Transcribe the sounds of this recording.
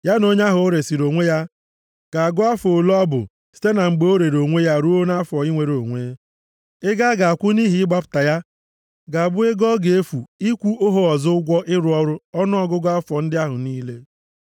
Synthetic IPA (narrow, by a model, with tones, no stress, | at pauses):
ja˦no˦ɲ˦a˦ɦʊ˨o˦ɾe˨si˨ɾo˨ŋʷe˦ja˦ | ka˨a˨ɡʊ˦a˦fo˨lɔ˦bʊ̰˨ | si̥˦te˦na˨ŋ͡m̩˨ɡ͡bo˦ɾe˨ɾo˨ŋʷe˦ja˦ɾu˦o˦na˦fɔ˨i˦ŋʷe˨ɾo˨ŋʷe˦ | ɪ˦ɡa˦ɡa˨a˨kʷʊ˦ni˦ɦi˨˦ɪ˦ɡ͡ba˦pʊ̥˨ta˨ja˦ | ɡa˨a˨bʊ˦e˦ɡɔ˦ɡe˨e˦fu˨i˦kʷu˦o˦ɦo˦ɔ˨zʊ˦ʊ˦ɡʷɔ˦ʔɪ˦ɾʊ˨˦ɔ˦ɾʊ˦ɔ˦nʊ˦ɔ˨ɡʊ˦ɡɔ˦a˦fɔ˨n̩˦dɪ˦a˦ɦʊ˨niː˦le˦